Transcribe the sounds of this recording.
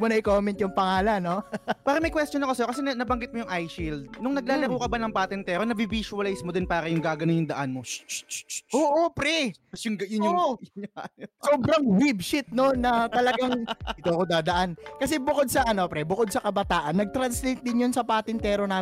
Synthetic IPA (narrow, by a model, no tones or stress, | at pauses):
monɐʔɪkoːmɛnt̪jʊŋpɐŋaːlɐnːopaːɾɐmɐjkwɛst̪t͡ʃonɐko̞sɛɾkɐsɛɐnɐbɐŋɡɪt̪̚mojʊŋʔajʃild̪̚nʊŋnɐɡ̚laːlɐkoːkɐbanɐŋpaːt̪ɪnt̪ɛːɾonɐbibiːsuɐlajsmod̪ɪnpaːɾɐjʊŋɡaːɡɐnonjʊŋd̪ɐʔanmo | ʔoːʔopɾɛʊŋɐjʊ | soːbɾɐŋvibʃɪt̪̚nonːɐt̪ɐlɐɡaŋʔɪt̪oʔɐkod̪aːd̪ɐʔankɐs̬ɛbʊko̞d̪̚sɐʔɐno̞pɾɛbʊkod̪̚sɐkɐbɐt̪aːʔɐnːɐɡ̚t̪ɾɐnslejt̪̚d̪ɪnjonsɐpaːt̪ɪnt̪ɛːɾo̞na